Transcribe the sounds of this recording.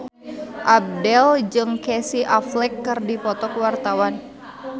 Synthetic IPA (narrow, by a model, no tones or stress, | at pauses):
ʔab̚dɛld͡ʒɨŋkɛsiʔaflɛkːɨrdipɔt̪ɔkwart̪awan